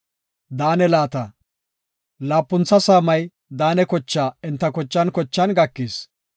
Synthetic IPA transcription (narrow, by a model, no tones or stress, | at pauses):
d̪aːnɛlaːt̪ɐ | laːpːʊnt͡sːɐsaːmɐj | d̪aːnɛkɔt͡ʃːaːɪnt̪ːɐkɔt͡ʃːɐnkɔt͡ʃːɐnɡɐkːis